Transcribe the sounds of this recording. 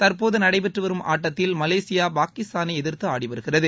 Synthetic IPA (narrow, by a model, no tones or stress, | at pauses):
t̪ɐɾpoːðɯnɐɽɐɪpɛʈrɯʋɐɾɯmʔa̰ːʈːɐt̪ːɪlmɐleːsɪjaːpaːkɪst̪aːnɐɪɛðɪɾtt̪ːɯaːɽɪpɐɾɯɣɪrɐðɯ